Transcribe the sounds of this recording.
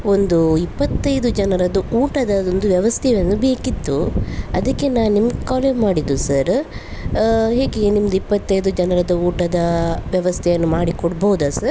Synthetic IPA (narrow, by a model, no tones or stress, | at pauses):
o̞nd̪uipːɐt̪ːɐjd̪ud͡ʒɐnɐɾɐd̪ɐʔuːʈɐd̪ɐond̪uʋjɛʋɐst̪ʰɛjɐnːube̞ːkit̪ːuɐd̪ɐkːe̞naːʋnimɐɡekaːlemaːɽid̪usɐɾ | ɦe̞ːɡenimɐd̪ɐipːɐt̪ːɐjd̪ud͡ʒɐnɐɾɐd̪ɐuːʈɐd̪ɐʋjɐʋɐst̪ʰɛjɐnːumaːɽikɔɽbɐud̪aːsɐɾ